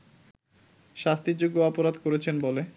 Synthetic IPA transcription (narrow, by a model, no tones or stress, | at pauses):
ʃast̪id͡ʑuɡːoɔpoɾad̪koɾet͡ɕʰenbole